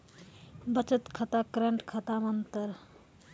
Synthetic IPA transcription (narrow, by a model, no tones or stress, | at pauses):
bət͡ʃət̪kʰət̪akɾəɳʈkʰət̪amənt̪əɾ